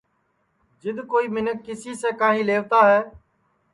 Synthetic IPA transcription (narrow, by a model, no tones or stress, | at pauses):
d͡ʒɪd̪koːiːmɪnəkːɪsiːseːkãːɦĩːleːʋt̪aːɦɛː